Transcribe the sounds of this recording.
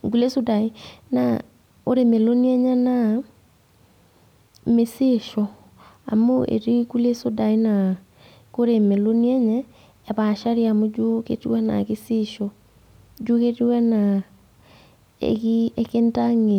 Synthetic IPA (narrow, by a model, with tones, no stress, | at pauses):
ŋɡu˦le˦so˦da˨i˦na̰ | oɾeme˨lo˦ni˦ɛ˦ɲɛ˦na | me˦siʃɔ | a̰˨moḛ˨ɾiku˦le˦so˦da˨i˦na | ko˦ɾeme˨loni˦ɛ˦ɲɛː˦˨ | βa˨ʃa˦ɾiamod͡ʒo˦kḛtiwɛ˦na̰kisi˦ʃɔ | d͡ʒo˦ketiwɛ˦na | ḛkiekenta˦ŋe˨